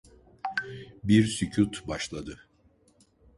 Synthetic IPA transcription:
biɾsycʰut̪baʃlˠad̪ɯ

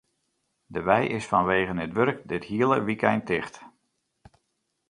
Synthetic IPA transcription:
dəʋɛjʔɪsfɔnʋeːɣənətʋøɾk̚dɪthiəlˠəʋikɛjntɪχt

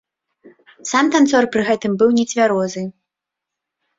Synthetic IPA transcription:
samt̪ant̪sɔrpɾɨɣɛt̪ɨmbɨwnʲɛt͡sʲvʲaɾɔzɨ

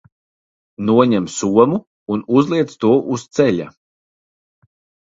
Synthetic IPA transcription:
nuɔɲɛmsuɔmuː | nuzlˠiɛt̪st̪uɔʔust̪sɛʎa̰

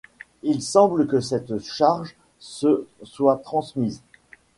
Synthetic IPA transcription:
ilsɑ̃bləkəsɛt̪ʃaʁʒ | səswat̪χɑ̃smiz

